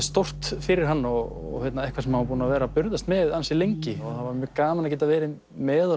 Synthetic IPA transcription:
st̪owr̥t̪fɪɾɪɾ̥ɦanːɔɣɔ̰ɣhɛt̪naɛhkvasɛmhavap̬uːnavɛːɾapʏɾðast̪mɛðansilejɲcɪɔθavaɾmjœːkaːmnacɛːt̪avɛːɾɪ | mɛːð

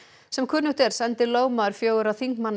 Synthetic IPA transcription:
sɛmkʰʏːnʏht̪ɛɾ̥sɛnt̪ɪloːwmaðʏɾ̥fjoːwɣʏɾawθiŋkmanː

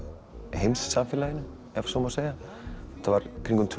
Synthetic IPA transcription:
hejmsːamfɪːlajɪnʏ | ɛfsɔmaseːjɣa | t̪ʰavaɾ̥kʰɾiŋkʏmt̪ʰv

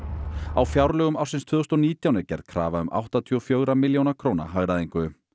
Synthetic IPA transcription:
awfjawɾlœːɣʏmaw̥sɪnst̪ʰvʏðʏst̪ɔniːt̪jawnɪcɛ̰ɾð̥kʰɾa̰ːvaʏmʔa̰wht̪at̪ʰiɔfjœːɣɾamɪljownakʰɾoːwna̰ɦaɣɾaðeŋkʏʏ

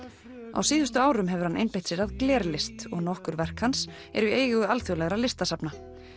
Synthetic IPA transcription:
a̰wsiːðʏst̪ʏaːwɾʏmɦɛvʏɾ̥hanʔejnpejht̪sɪɾaðklɛːɾlɪst̪ɔɣnɔhkʏɾvɛr̥khans | ɛ̰ɾʏieːjɣɣʏalθjɔlɛɣɾalɪst̪asapna

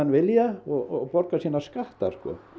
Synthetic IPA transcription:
anʋeljaɔpɔrkasinːaskaht̪a̰skɔ̰

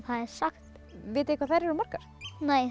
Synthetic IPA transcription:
θaðɛɾ̥saxt̪ | vɪːt̪ɪhkʰvaðθajɾɛɾʏmaɾ̥kaɾ̥neːj

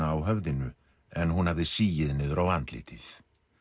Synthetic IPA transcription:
aːwɦœvðɪnʏ | ɛnɦunhavðɪsiːjɪðnɪːðʏɾawant̪lḭːt̪ʰɪθ

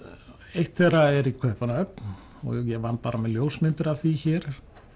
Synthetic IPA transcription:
ejht̪θɛraɛɾikʰœhpanaœp̚n | ɔ̰jɛvant̪̚paːɾamɛðljoːwsmɪnt̪ɪɾavθiçɛːɾ̥

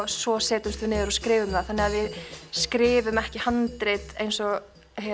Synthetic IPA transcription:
svɔsɛːt̪ʏmst̪vʏnɪːðɪɾɔskɾɪːvʏmθaðθanːɪɣaðvɪðskɾɪːvʏmɛhcɪhant̪ɾet̪ejnsɔɣ | h

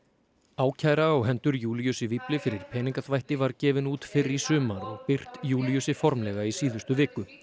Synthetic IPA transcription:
aːwcʰaːjɾaɔɣɦɛnt̪ʏɾjuːljʏsɪviplɪfɪɾɪɾ̥pʰɛːniŋkaθvajht̪ɪvaɾcɛːvɪnuːt̪fɪrisʏːmaɾɔɣpɪr̥t̪juːljʏsɪfɔɾmlɛɣaisiːðʏst̪ʏvɪːkʏ

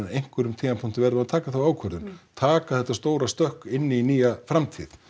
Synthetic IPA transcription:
aejŋ̥kvʏɾʏmt̪ʰiːnapʰʊŋ̥t̪ɪvɛɾðʏaðt̪ʰaːkaθawaːwkʰvœɾðʏnt̪ʰaːkaðθɛht̪ːast̪oːwɾast̪œhkɪnːɪiniːjafɾamt̪ʰḭθ

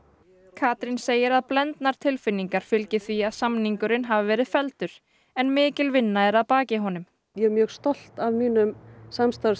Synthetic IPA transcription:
kʰaːt̪ɾinseːjɪɾaðplɛnt̪naɾ̥t̪ʰɪlfɪnːiŋkaɾ̥fɪlcɪθviaðsamniŋkʏɾɪnɦavɪvɛːɾɪðfɛlt̪ʏɾ̥ | ɛnmɪːcɪlvɪnːaɛɾaðpaːcɪɦɔnʏm | jɛɾmjœːɣst̪ɔl̥t̪avmiːnʏmsamst̪aɾ

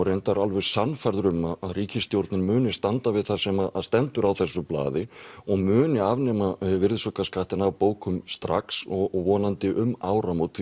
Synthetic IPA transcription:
ɾejnt̪aɾalvœsanfaɾðɾʏmaaðriːcɪst̪jowɾt̪nɪɾmʏːnɪst̪ant̪avɪðθḁsɛmast̪ɛnt̪ʏɾawθɛsːʏpla̰ːðɪɔɣmʏːnɪavnɛːmavɪɾðsɔkaskaht̪ɪnawpoːwkʰʏmst̪ɾa̰ksɔɣɔɣvɔːnant̪ɪʔʏmaːwɾamowt̪

